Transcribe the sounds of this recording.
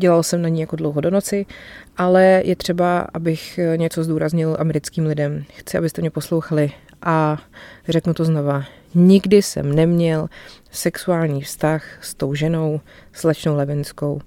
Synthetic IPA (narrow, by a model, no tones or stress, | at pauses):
ɟɛlalsɛmnaɲiːjakodlowɦodono̞t͡sɪʔalɛjʔɛt̪r̝̥ɛbaʔa̰bɪxɲɛt͡so̞zduːɾazɲɪlʔamɛɾɪt͡skiːmlɪdɛmxt͡sɪʔabɪst̪ɛmɲɛpo̞slo̞wxalɪ | ʔa | r̝ɛknut̪oznova | ɲɪɡdɪsɛ̰mnɛmɲɛlsɛksuaːlɲiːfst̪axst̪o̞wʒɛno̞wslɛt͡ʃno̞wlɛvɪnsko̞̰w